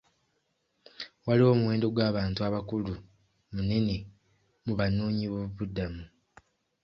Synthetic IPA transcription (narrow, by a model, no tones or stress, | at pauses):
walio̞muwe̞ːndo̞ɡwaːβaːntuaβakulu | mune̞ne | muβanoːɲiβoβuβudːamu